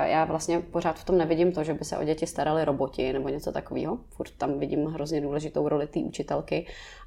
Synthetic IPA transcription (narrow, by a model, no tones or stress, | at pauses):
jaːvlast̪ɲɛpor̝aːt̪ft̪o̞mnɛvɪɟɪmt̪oʒɛbɪsɛ̰ʔo̞̰ɟɛcɪst̪aɾalɪɾo̞bo̞cɪnɛbo̞ɲɛt͡so̞t̪akovḭːɦo̞fuɾt̪ːamvɪɟɪmɦɾozɲɛduːlɛʒɪt̪owɾo̞lɪt̪iːʔut͡ʃɪt̪ɛlkɪ